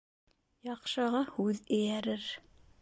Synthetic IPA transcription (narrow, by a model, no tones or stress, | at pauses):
jɑqʃɤ̆ʁɑhʉðɘ̆jæɾɘɾ